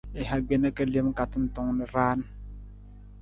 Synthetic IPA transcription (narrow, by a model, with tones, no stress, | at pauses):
i˨ɦa˨ɡ͡be˦na˦ka˦le˦m˦ka˨ti˦n̩˨tɔ˨ŋni˨ɾaː˦n˦